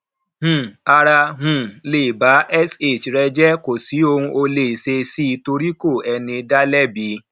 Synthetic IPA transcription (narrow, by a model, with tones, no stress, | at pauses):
h̩˨a˧ɾa˧ɦũ˨le˨ba˨˦ʔɛ˦se˦˨t͡ʃɾɛ˧d͡ʒɛ˦ko˨si˨˦o˧ũ˧ʔo˧le˦˨se˧si˦˧to˧ɾi˦ko˦˨ɛ˧nĩ˧da˦lɛ˦bi˧˦